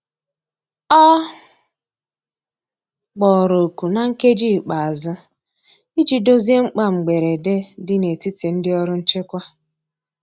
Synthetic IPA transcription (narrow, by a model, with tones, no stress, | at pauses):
ɔ˦ | ɡ͡bɔ˨ɾo˨ku˨na˨ŋ̩˦ke˦d͡ʒiː˦˨k͡pa˨a˨zʊ˦ | i˦d͡ʒi˨do˦zi˦e˦ŋ͡m̩˦k͡pa˦ŋ͡m̩˨ɡ͡be˨ɾe˨de˦dɪ˦ne˨ti˦te˨n̩˦dɪ˦ɔ˦ɾʊ˦n̩˦t͡ʃe˦kʷa˦